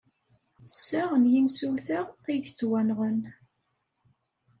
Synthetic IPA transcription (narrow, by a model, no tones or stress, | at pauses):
sːæʁənjimsuθæʁiʝt͡sːwænʁən